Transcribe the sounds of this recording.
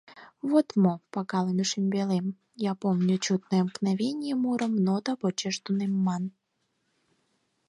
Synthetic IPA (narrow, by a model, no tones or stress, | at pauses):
vot̪mopɑkɑlemʲuʃimʲbʲelem | japomnʲut͡ɕut̪̚nɔjəmknɑvʲenʲɪjemuɾəmnot̪ɑpot͡ɕeʃd̪unemːɑn